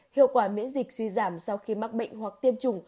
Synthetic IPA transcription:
hḭ˧˨əwkwaː˧˩mḭ˧˥ənzi˨˩k̟̚swi˧zaː˧˩msa˧wxi˧ma˦˥k̚ɓə̰˧˨jŋ̟ɦwa˨˩k̚t̪i˧əmt͡ɕʊ˨˩ŋ͡m

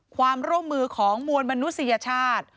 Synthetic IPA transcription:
kʰwaː˧mɾu˥˩əmːɯː˧kʰɔː˩˦ŋmu˧ənma˧nu˦˥t̪̚sa˧ja˧t͡ɕʰaː˥˩t̪̚

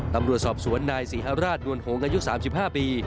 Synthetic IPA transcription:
t̪a˧mɾu˨˩ət̪̚sɔː˨˩p̚su˩˦ənːaː˧jsiː˩˦ɦaː˧wɾaː˥˩t̪̚nu˧ənhoː˩˦ŋʔaː˧ju˦˥saː˩˦msi˨˩p̚haː˥˩piː˧

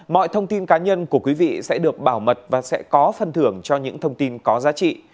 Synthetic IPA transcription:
mɔ̰˧˨jt̪ʰə˧wŋ͡mt̪i˧nkaː˨˦ɲə˧nku˧˩əkwi˨˦vḭ˧˨sɛ̰˧˥ɗɨ˨˩ək̚ɓaː˧˩wmə˨˩t̚vaː˨˩sɛ̰˧˥kɔ˨˦fə˨˩nt̪ʰɨ˧˩əŋt͡ɕɔ˧ɲɨ̰˧˥ŋt̪ʰə˧wŋ͡mt̪i˧nkɔ˨˦zaː˨˦t͡ɕḭ˧˨

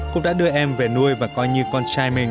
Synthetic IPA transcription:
kʊ̰˧˥ŋ͡mɗa̰ː˧˥ɗɨ˧əʔɛ˧mve˨˩nu˧əjvaː˨˩kɔ˨˧jɲɨ˧kɔ˧nt͡ɕaː˧jmi˧˩ŋ

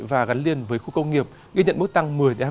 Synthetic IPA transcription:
vaː˨˩ɣa˨˦nli˧ənvəː˨˦jxu˧kə˧wŋ͡mŋi˨˩əp̚ | ɣi˧ɲə̰˧˨nɓɨ˦˥k̚t̪a˧ŋmɨ˨˩əjɗe˨˧˩

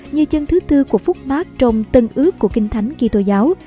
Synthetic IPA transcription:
ɲɨ˧t͡ɕə˧nt̪ʰɨ˨˦t̪ɨ˧ku˧˩əfʊ˦˥k͡p̚maː˦˥t̚t͡ɕɔ˧wŋ͡mt̪ə˧nʔɨ˦˥əkːu˧˩əkï˧ŋ̟t̪ʰa˨˦jŋ̟ki˧t̪o˧zaː˨˦w

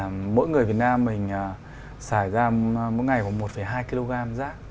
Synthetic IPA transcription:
mo̰˧˥jŋɨ˨˩əvi˨˩ət̚naː˧mːï˨˩ŋ̟ː˨˩ | saː˧˩jzaː˧mo̰˧˥jŋa˨˩jva˨˧˩wmo˨˩t̚fə˧˩jɦaː˧jki˧lo˧ɣaː˧mzaː˦˥k̚

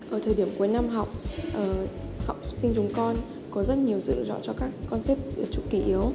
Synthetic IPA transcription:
ʔəː˧˩t̪ʰəː˨˩jɗi˧˩əmku˨˦jna˧mɦa˨˩wk͡p̚ʔəː˧˩ha˨˩wk͡p̚sï˧ŋ̟t͡ɕʊ˨˦ŋ͡mkɔ˧n | kɔ˨˦zə˦˥t̚ɲi˨˩əwsɨ̰˧˨zɔ̰˧˥t͡ɕɔ˧kaː˦˥k̚ːɔ˧nsɛ˦˥p̚ːt͡ɕʊ̰˨˧˥k͡p̚kːi˧˩ʔi˨˦əw

